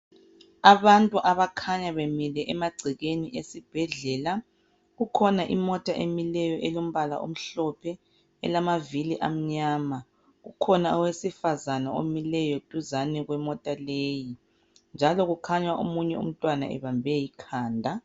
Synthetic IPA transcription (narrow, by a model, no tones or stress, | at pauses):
aβantʼuʔaβakʰaɲaβemilɛʔɛmaɡ͡ǀʱiɣeniʔesib̥ʱɛɮɛːla | ɣukʰɔnaʔimɔtʼaʔemilɛjɔʔɛlom̩βala̰ʔo̰m̩ɬɔpʰɛ | ɛ̰lamaviliʔam̩ɲaːma | ɣṵkʰɔnaɔwesifazanao̰milɛjɔd̥ʱuzanɛɣwɛmɔtʼaleːji | nd͡ʒʱalɔɣukʰaɲaʔo̰muɲɛṵm̩tʼwana̰ʔɛ̰βambʱɛjikʰaːndʱa